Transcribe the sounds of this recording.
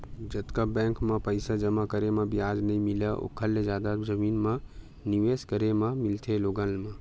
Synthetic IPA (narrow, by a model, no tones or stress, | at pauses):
d͡ʒɐt̪kabɛ̃ːŋkmãpəɪsad͡ʒɐmakəɾemãbijaːd͡ʒnɐɦĩmɪlaʔo̰kʰːəlːed͡ʒaːd̪ad͡ʒɐmiːnmã | niʋeːskəɾemãmɪlt̪ʰeloːɡalmã